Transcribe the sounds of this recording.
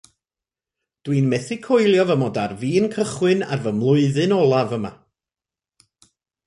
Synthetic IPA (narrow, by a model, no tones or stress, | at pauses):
d̥wiːnmɛθɪkʰojlˠjɔvəmɔdarviːnkʰəχwɪna̰rvəmlˠʊɨðɨnɔlˠavəma̰